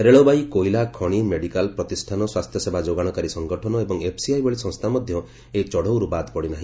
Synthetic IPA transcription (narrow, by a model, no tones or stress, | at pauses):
ɾeɭobajkoilakʰɔɽ̃imeɽikalpɾɔt̪isʈʰanɔswast̪ʰjɔsebʱad͡ʒoɡaɽ̃ɔkaɾisɔŋɡɔʈʰɔnɔebɔŋepʰsiajbɔɭisɔ̃ŋst̪ʰamɔd̪ʱjɔ | et͡ʃɔɽowɾubat̪pɔɽinaɦĩ